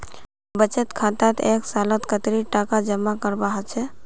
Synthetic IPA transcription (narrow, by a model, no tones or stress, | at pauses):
bət͡ʃət̪kʰat̪at̪eksalət̪kət̪ɾiʈakad͡ʒəmːakəɾbaɦət͡ʃʰɛ